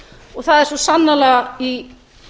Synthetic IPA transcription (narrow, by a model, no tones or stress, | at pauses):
ɔɣθaðɛɾ̥sɔsanːalɛɣai